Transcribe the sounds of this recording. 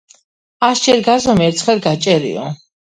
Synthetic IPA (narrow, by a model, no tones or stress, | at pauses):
asd͡ʒɛɾɡazɔmɛɾt̪sʰχɛlˠɡat͡ʃʼɛɾḭɔ̰